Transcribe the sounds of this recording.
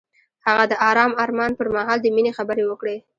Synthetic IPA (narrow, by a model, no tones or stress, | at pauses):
haɣad̪əʔɑɾɑmɑɾmɑnpəɾmɑɦɑld̪əminexabəɾewəkɽe